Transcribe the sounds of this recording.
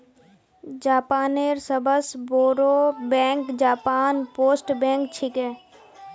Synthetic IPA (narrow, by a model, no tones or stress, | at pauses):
d͡ʒaːpaːneːɾsəbʱəsboːɾoːbɛ̃ːŋkd͡ʒaːpaːnpoːsʈbɛ̃ːŋkt͡ʃʰɪkɛː